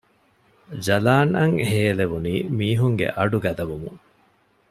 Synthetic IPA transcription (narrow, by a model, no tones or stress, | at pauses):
d͡ʒɐlaːnɐŋheːleʋuniːmiːɦuŋɡḛʔɐɖuɡɐd̪ɐʋumuŋ